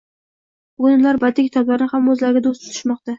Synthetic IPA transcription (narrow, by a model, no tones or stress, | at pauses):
bʊɡʊnʊnlaɾbad̪ɪkʲʰɪ̥t̪ʰɒblaɾɪnɪhamɵzlaɾɡʲad̪ost̪ʰʊ̥t̪ʰɪ̥ʃmɒq̚t̪a